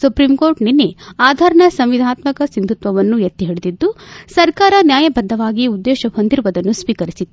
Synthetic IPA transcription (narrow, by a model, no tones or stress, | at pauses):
supɾimkoːɾʈninːeaːd̪ʱaːɾɐɳɐsɐmʋid̪ʱaːt̪mɐkɐsind̪ʱut̪ʋɐʋɐnːujɐt̪ːiɦiɽed̪id̪ːusɐɾkaːɾɐnjaːjɐbɐd̪ʱːɐʋaːɡiud̪ːɛːʃɐɦond̪ʱiɾʋɐd̪ɐnːusʋiːkɐɾisid̪ː